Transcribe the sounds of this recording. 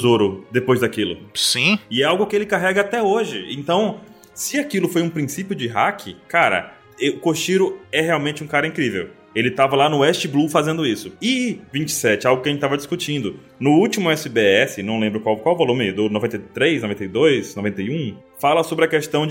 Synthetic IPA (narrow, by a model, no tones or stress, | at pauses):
zoɾʊd̪epojzd̪akilʊ̰sĩɪɛawɡʊkɪelɪkaɦɛɡɐat̪ɛoʒɪḛ̃nt̪ɐ̃w̃ | sɪakilʊfojũpɾĩsipjʊd͡ʒɪɦakʰɪkaɾɐ̰ | ɛʊkoʃt͡ʃiɾʊɛheawmẽnt͡ʃɪũkaɾɐĩŋkɾivḛw | elɪt̪avɐlanʊɛʃt͡ʃɪblufazẽnd̪ʊisʊɪvĩt͡ʃɪ̥sɛt͡ʃɪawɡʊkɪɐʒẽt͡ʃɪt̪avɐd͡ʒiskut͡ʃĩnd̪ʊ | nʊuwt͡ʃimʊɛsɪbeɛsɪnɐ̃w̃lẽmbɾʊkwawkwawvolũmɪd̪ʊnovẽnt̪ejt̪ɾejsnovẽt̪ejd̪ojsnovẽnt̪ejũfalɐsobɾɪɐkest̪ɐ̃w̃d͡ʒ